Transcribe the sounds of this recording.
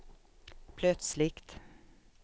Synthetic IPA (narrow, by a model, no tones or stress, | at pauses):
pʰlœt̪slɪkt̪